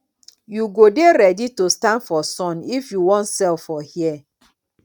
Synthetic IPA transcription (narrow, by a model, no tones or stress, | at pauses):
juɡodeɾɛditostãnfɔsɔ̃nifjuwɔ̃ntsɛlfɔhiɛ